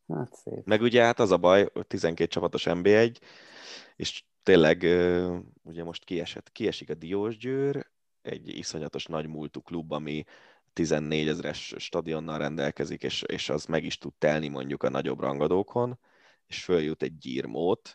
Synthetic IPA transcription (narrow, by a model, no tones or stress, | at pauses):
hat̪sḛːpmɛɡuɟɛɦat̪ɒzɒbɒjot̪izɛŋkeːt̪̚t͡ʃɒpɒt̪o̞ʃɛmbeːɛɟ | ḛːʃ | t̪eːlɛɡøː | uɟɛmo̞ʃt̪kiɛʃɛ̰t̪kiɛʃikɒd̪ijoːʒɟøːɾ | ɛ̰ɟḭso̞ɲlɒt̪o̞ʃnɒɟmult̪uklubːɒmi | t̪izɛnːeːɟɛzɾɛ̰ʃːt̪ɒd̪io̞nːɒlrɛnd̪ɛlkɛzikḛːʃḛːʃɒzmɛɡiʃt̪ut̪t̪ɛlnimo̞̰ɲɟukɒnɒ̰ɟo̞̰brɒ̰ŋɡod̪oːkʰo̞n | eːʃføljut̪ɛɟ̚ːḭːrmʔoːt̪